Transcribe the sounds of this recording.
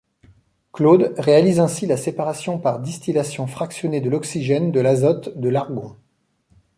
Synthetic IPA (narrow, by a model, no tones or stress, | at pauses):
klod̪ʁealizɛ̃silasepaʁasjɔ̃paʁd̪ist̪ilasjɔ̃fχaksjɔned̪əlɔksiʒɛnd̪əlazɔt̪d̪əlaʁɡɔ̃